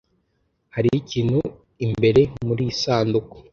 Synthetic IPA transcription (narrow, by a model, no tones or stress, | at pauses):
haɾiiciːnhu | imbe̞ɾe̞muɾiːsaːnduko̥